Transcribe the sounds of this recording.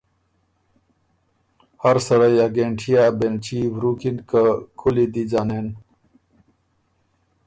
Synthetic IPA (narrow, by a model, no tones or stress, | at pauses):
hɐɾsɐɽajɐɡeɳʈʰijaːbent͡ɕibɾuːkinkakʰulid̪id͡ʑaːneːn